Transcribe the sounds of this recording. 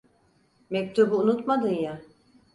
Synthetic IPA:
mɛc̚t̪ʰubuːnut̪mad̪ɯnja

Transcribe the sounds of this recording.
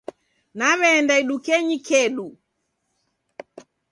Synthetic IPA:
naβɛːndaiɗukɛɲikɛɗu

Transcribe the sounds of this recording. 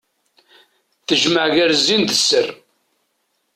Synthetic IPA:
θəʒməʕʝæɾzːind̪əsːər

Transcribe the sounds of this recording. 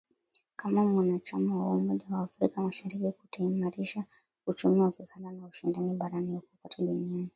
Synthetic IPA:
kamamwanat͡ʃamawaumɔʄawaːfɾikamaʃaɾikiku̥taimaɾiʃa | ut͡ʃumiwakikalanauʃindaniɓaɾaniukukataɗuniani

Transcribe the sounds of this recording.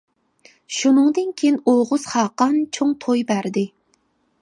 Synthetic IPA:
ʃunɨŋd̪ɨnkʲʰejnoʁʊz̥χɑːqɑnt͡ʃʰoŋt̪ʰojbæɾd̪ɪ

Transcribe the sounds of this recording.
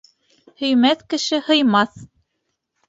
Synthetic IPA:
hɵ̆jmæθkɘ̆ʃɘhɤ̆jmɑθ

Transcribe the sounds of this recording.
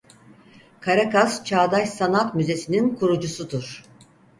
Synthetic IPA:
kʰaɾakazt͡ʃʰaːd̪açsanak̪myze̞sininkʰuɾud͡ʒusud̪uɾ̥

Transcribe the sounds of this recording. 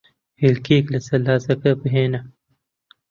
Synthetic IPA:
hilkiːklɐsɐlaːzɐkɐbɦeːnɐ

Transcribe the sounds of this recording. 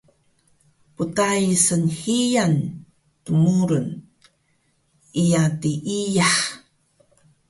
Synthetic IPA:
putajsənhijan | tumuɾən | ijatiʔijaħ

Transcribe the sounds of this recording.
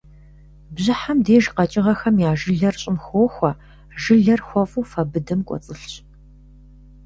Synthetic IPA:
bʑɪħamdeːʒqɐt͡ʃʼɪʁɐxɐmjaːʒɨɮɐrɕʼɪmxoːxʷɐ | ʒɨɮɐrxʷɔfʼuːfɐbɨdɐmkʷʼɔ̰t͡sʼɨɬɕ

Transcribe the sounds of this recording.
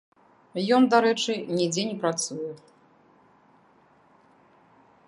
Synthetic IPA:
jɔnd̪aɾɛt͡ʂɨnʲid͡zʲenʲɛpɾat̪sujɛ

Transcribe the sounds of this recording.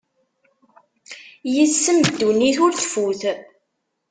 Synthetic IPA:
jəsːəmd̪ːuniθʊɾθfuθ

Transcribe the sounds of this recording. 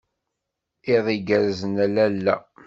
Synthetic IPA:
iðˤiɡæɾzənælælːæ

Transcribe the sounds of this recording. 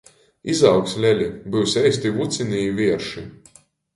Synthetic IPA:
izawkslʲɛlʲibɨwsʲɛjsʲt̪ivut̪sʲinijvʲiɛɾʃi

